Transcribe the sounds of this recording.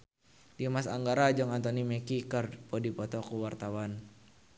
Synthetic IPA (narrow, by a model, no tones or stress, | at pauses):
diamasa̰ŋɡaɾad͡ʒɔŋant̪ɔnimɛkikərpɔdipɔt̪ɔkuwart̪awan